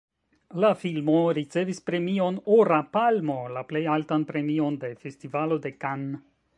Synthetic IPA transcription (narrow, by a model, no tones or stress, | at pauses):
lafilmo̞ɾit͡se̞vispɾe̞mio̞noɾapalmo̞laplejaltanpɾe̞mio̞nde̞fe̞stivalo̞de̞kan